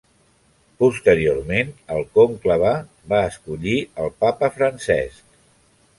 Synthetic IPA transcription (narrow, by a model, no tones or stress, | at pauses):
pust̪əɾiormenəlˠkomkləβa | baəskuʎiəlˠpapəfɾənsɛ̰sk̚